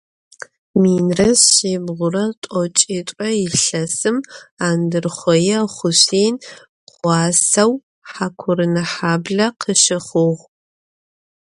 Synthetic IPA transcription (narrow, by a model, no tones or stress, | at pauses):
miːnrɐsɕeːbʁʷʊɾɐtʷʼɔt͡ʃʼeːtʷʼɐjɪɬɐsɨmaːndɨrχʷɔjɛχʷʊɕeːn | qʷɑːsɐw | ħaːkʷʰʊɾɨnɐħaːbɮɐqʰəʃɪχʊʁʷ